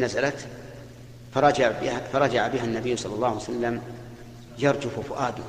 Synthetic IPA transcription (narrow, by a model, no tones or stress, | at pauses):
nazalat̪ | fɑɾˤɑd͡ʒabɪfaɾˤɑd͡ʒaʕabɪɦanːabɪjːsˤɑlːɑlːɑːhjsalːam | jɑɾˤd͡ʒʊfʊfʊʔaːd̪ʊ